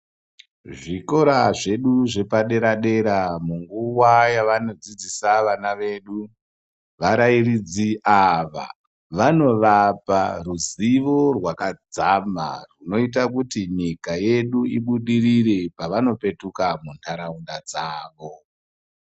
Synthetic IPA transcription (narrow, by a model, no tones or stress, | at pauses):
ʐiko̞ɾaʐe̞ɗuʐe̞paɗe̞ɾaɗe̞ɾamuŋɡuwajaʋano̞d͡zid͡zisaʋanaʋe̞ɗu | ʋaɾairid͡ziʔaʋa̰ | ʋano̞ʋaparuziʋo̞rwakad͡zama̰runo̞it̬akutiɲikaje̞ɗuiɓuɗirirepaʋano̞pe̞tukamuntʰaɾaundad͡zaːʋo̞